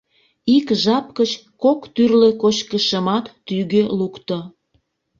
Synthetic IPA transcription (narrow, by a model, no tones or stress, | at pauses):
ikʒɑp̚kət͡ɕkokt̪yrlekot͡ɕkəʃəmɑt̪ːyɣølukt̪o